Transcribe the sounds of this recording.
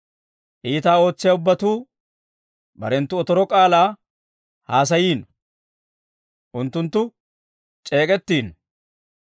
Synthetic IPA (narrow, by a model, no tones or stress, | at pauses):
ʔiːt̪aːo̞ːt͡sːɪjɐʊbːɐt̪uː | bɐ̰ɾɛnt̪ːʊɔt̪ɔɾɔkʼaːlaː | haːs̬ɐjiːn | ʔʊnt̪ːʊnt̪ːʊ | t͡ʃʼe̞ːkʼɛt̪ːiːn